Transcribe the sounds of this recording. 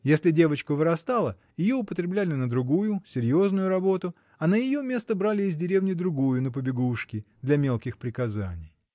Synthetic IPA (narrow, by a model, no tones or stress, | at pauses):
jesʲlʲɪdʲe̞vət͡ɕkəvɨɾɐst̪ɑlˠə | jɪjo̞ʊpət̪ɾʲɪblʲælʲɪnəd̪ɾʊɡujʊsʲɪɾʲjo̞znʊjʊɾɐbo̞t̪ʊ | ɐnəjɪjo̞mʲe̞st̪əbɾalʲɪːzʲdʲɪɾʲe̞vnʲɪd̪ɾʊɡujʊnəp̬əbʲɪɡuʂkʲɪd̪lʲɐmʲe̞lˠkʲɪxpɾʲɪkɐzanʲɪj